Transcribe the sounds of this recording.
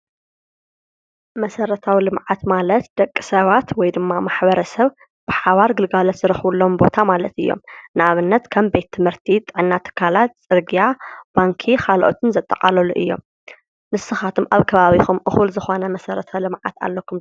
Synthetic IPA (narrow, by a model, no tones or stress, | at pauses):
mɐsɐɾɐt̪ʰawilɨmʕat̪malɐt̪d̪̥ɐkʼːisɐβat̪wɔjd̪ɨmːamaħβɐɾɐsɐβ | b̥ɨħaβaɾɡɨlɡalɐt̪z̥ɨɾɐxβulːo̞mbo̞t̪ʰamalɐt̪ɨjːo̞̰mnɨʔaβɨnːɐt̪kʰɐmbe̞t̪ʰːɨmhɨɾt̪ʰit̪ʼɨʕɨnːat̪ʰɨ̥kʰalat̪̚t͡sʼɨɾɡijab̥aŋkʰixalʔot̪ʰɨnzɐt̪ʼːɐqʼalɐluʔɨ̰jːo̞̰m | nɨsɨxat̪ʰumʔaβkʰɐβaβixumʔɨxulzɨxo̞nɐmɐsɐɾɐt̪ʰɐlɨmʕa̰t̪ʰa̰lːɐkʰum